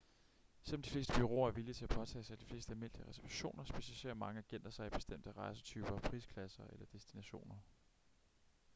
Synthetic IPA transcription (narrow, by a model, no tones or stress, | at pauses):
sel̰ɒmd̥ifle̝̰ːsd̥əb̥yʁo̝̰ːɐæɐʋilit͡sʰe̝æpʰɒ̽t͡sʰɛ̰ːsɑ̈ɪd̥i̥fle̝ːsd̥əælme̝n̰d̥iəʁɛsɐʋæɕo̝̰ːnɐsb̥e̝ɕæliɕe̝̰ːɐmɑ̈ŋəæɡ̥en̰d̥ɐsɑ̈ɪib̥e̝sd̥em̰d̥əʁɑ̈ɪsə̥t͡sʰyːb̥ɐpʰʁḭːskʰlæsɐʔelɐd̥e̝sd̥inæɕo̝̰ːnɐ